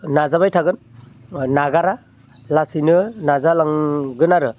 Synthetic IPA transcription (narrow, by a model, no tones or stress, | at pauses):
nazaβajtʰaɡɯn | naɡaɾa | lasinɯnazalaŋɡɯnaɾɯ